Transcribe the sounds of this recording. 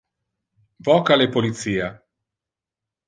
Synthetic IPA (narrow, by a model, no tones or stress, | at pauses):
vɔːkalepolit̪siːa